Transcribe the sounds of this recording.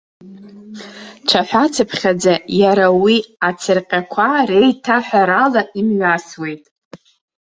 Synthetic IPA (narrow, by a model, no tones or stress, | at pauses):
ʈ͡ʂʰaħʷᶣat͡sʰɨpʰχʲad͡zajaɾawiat͡sʰɨrqʲʼakʷʰarejtʰaħʷᶣaɾalaimɥaswe̞jtʼ